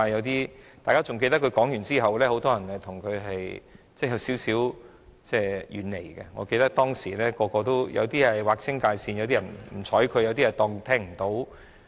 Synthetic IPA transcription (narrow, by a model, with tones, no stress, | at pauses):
a˧jɐ˨˧wt̪iː˥t̪aː˨kaː˥t͡sʊ˨ŋke˧t̪ɐ˥kʰɵ˨˧kɔː˨˥ŋjyː˨˩nt͡siː˥ɦɐ˨wlɛː˥ho˨˥wt̪ɔː˥jɐ˨˩nhɐ˨jt̪ʰʊ˨˩ŋkʰɵ˨˧ɥɦɐ˨j | t͡sɛː˥˩jɐ˨˧wsiː˨˥wsiː˨˥w | t͡sɛː˥˧˩jʔyː˨˩nle˨˩jkɛ̰˧ŋɔ̰ː˨˧ke˧jt̪ɐ˥k̚t̪ɔː˥ŋsiː˨˩lɛː˥kɔː˧kɔː˧t̪o˥wjɐ̰˨˧wt̪iː˥ɐ˨˩jwaː˨k̚t͡sʰɪ˥ŋkaː˧jsiː˧njɐ˧wt̪iː˥jɐ˨˩nm̩˨˩t͡sʰɔː˨˥jkʰɵ˧jɐ˧wt̪iː˥jɐ˨˩t̪ɔː˧ŋt̪ʰɛː˥ŋm̩˨˩t̪o˨˥w